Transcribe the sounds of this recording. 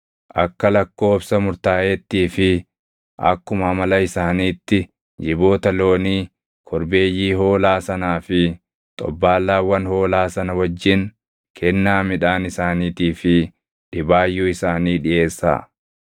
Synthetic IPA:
ʔɐkːɐlɐkːo̞ːbsɐmʊɾt̪aːʔeːt̪ːiːfɪ | ʔɐ̰kːʊmɐmɐlɐɪsaːniːt̪ːɪ | d͡ʒɪbo̞ːt̪ɐlo̞ːniː | kʰɔɾbe̞ːjːiːɦo̞ːlaːsɐnaːfɪ | t̪ʼɔ̰bːaːlːaːwɐnho̞ːlaːsɐnɐwɐd͡ʒːɪn | kʰɛnːaːmɪᶑaːnɪsaːniːt̪iːfɪ | ᶑɪbaːjːuːɪsaːniːᶑɪʔe̞ːsːa̰ː

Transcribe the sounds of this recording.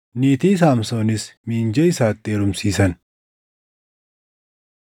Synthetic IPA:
niːt̪iːs̬aːmsoːnɪsmiːnd͡ʒɛɪsaːt̪ʼːeːɾʊmsiːsɐn

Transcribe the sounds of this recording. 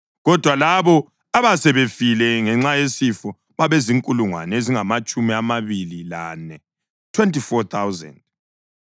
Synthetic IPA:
ɣɔd̥ʱwalaβɔ | aβasɛβefilɛŋɛŋ͡ǁajesifɔ | βaβeziŋkʼuluŋwa̰neziŋamat͡ʃʼumiamaβilila̰ːnɛ | tʰwɛntʰʼifɔt̪ʰawzɛ̰nd̚

